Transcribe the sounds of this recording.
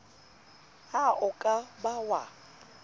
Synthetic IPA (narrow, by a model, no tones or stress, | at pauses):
haʔʊkʼabawa